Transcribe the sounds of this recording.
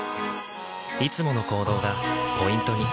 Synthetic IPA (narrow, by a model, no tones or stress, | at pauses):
it͡sɨmo̞no̞ko̞ːd̪o̞ːɡapo̞ĩnt̪o̞ɲ̟i